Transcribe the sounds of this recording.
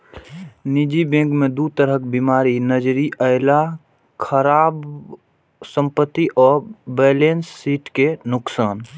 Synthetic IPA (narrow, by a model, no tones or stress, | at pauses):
nid͡ʒibẽŋɡmed̪ut̪əɾək̚bimaɾinəd͡ʒɾiʔəɪla | kʰəɾaːb | sə̃mpət̪ːiʔɔːɾbɛːlensːiːʈkenʊksaːn